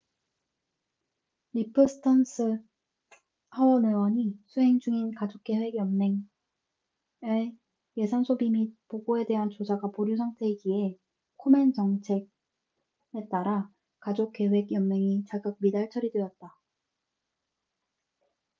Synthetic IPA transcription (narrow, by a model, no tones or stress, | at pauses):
ɾipʰɯsʰɯ̥tʰʌns͈ʰɯ | hawʌnewʌɲisʰuɦe̞ŋd͡ʑuŋinkad͡ʑok͈e̞we̞ɡjʌmːe̞ŋ | e | je̞sʰansʰobimipoɡoe̞de̞ɦant͡ɕod͡ʑaɡapoɾjos̬ʰaŋtʰeɡie̞ | kʰoment͡ɕʌŋt͡ɕʰe̞ɡ̚ | e̞t͈aɾa | kad͡ʑok͈ːe̞we̞ɡjʌmːe̞ŋit͡ɕaɡɯɡ̚midaɭt͡ɕʰʌɾidwe̞jʌt̚t͈a